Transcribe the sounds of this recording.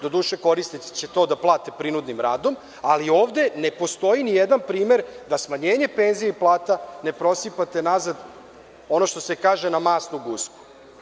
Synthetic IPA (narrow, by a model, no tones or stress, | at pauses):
d̪o̞d̪uːʃe̞ko̞ɾist̪it͡ɕet̪o̞ːd̪aplˠaːt̪epɾinud̪nimɾaːd̪o̞m | alio̞ːʋd̪e̞ne̞po̞st̪o̞jinijed̪anpɾiːme̞ɾd̪asmaɲeːɲe̞pe̞ːnzijeiplˠaːt̪ane̞pɾo̞sipat̪e̞nazad̪ | o̞no̞ʃt̪o̞se̞kaːʒe̞namaːsnuɡuːsku̥